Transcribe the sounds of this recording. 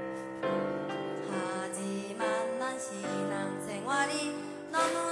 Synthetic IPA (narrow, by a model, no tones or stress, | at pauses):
tʰad͡ʑimanːanɕinaŋsɛŋwaɾi | nɔnɔ